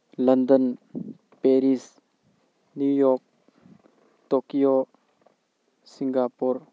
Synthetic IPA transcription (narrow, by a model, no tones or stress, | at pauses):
lɐndən | peɾis | njujɔk̚ | tokijo | siŋɡapuɾ